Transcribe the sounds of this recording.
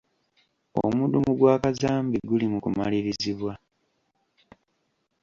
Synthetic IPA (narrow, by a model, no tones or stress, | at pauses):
o̰mudumuɡwaːkazaːmbiɡulimukuma̰liɾiziβwa